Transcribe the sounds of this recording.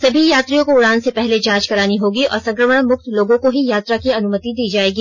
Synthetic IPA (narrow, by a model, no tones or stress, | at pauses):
sɐbʱijaːt̪ɾijõkoʊɽaːnsepɛɦled͡ʒãːt͡ʃkɐɾaːniɦoːɡiɔ̰ːɾsɐ̃ŋkɾəməɽ̃mʊkt̪loːɡõkoɦijaːt̪ɾakiɐnʊmət̪id̪iːd͡ʒaːeːɡiː